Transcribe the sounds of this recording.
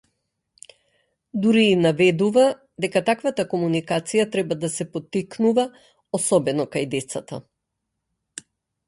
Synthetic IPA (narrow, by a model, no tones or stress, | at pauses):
d̪uɾiːnavɛd̪uva | d̪ɛkat̪akvat̪akɔmunikat̪sijat̪ɾɛbad̪asɛpɔt̪ːiknuva | ɔsɔbɛnɔkajd̪ɛt̪sat̪a